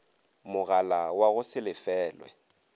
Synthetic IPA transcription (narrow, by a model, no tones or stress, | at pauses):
mʊɣalawaɣʊsɪlɪfɛːlwɛ̰